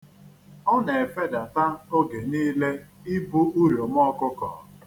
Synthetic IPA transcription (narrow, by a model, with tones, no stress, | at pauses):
ɔ˦ne˨e˨fe˦da˨ta˦o˦ɡe˨niː˦le˦ | i˦bu˦u˦ɾjo˨m˦ɔ˦kʊ˦kɔ̰˨